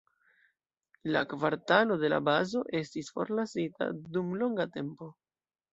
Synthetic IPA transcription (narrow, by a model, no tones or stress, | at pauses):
lakvaɾtalo̞de̞la̰bazo̞ʔe̞stisfo̞ɾlasita̰dumlo̞ŋɡate̞mpo̞